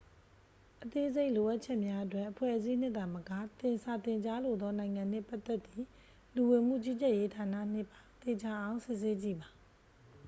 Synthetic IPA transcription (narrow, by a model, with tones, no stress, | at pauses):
ʔət̪e˦ʔze˦ɪʔlo˨ʔa˦ʔt͡ɕʰɛ˦ʔmja˦ʔətwɛ˦ʔəpʰwɛ̰˦˨ʔəzi˦n̥ɪ̃˦ʔt̪ã˨məka˦˨t̪ɪ̃˨nsa˨t̪ɪ̃˨ɲt͡ɕa˦lo˨d̪ɔ˦nã˨ɪ̃ŋã˨n̥ɛ̰˦˨pa˦t̪ːɛ˦t̪ːi˦˨ | lu˨wɪ̃˨m̥ṵ˦˨t͡ɕi˦t͡ɕɛ˦˨je˦tʰa˨na̰˦˨n̥ɪ˦˨pã˨t̪e˨d͡ʑa˨ʔã˦ʊ̃sɪ˦ʔse˦t͡ɕḭ˦˨ba˨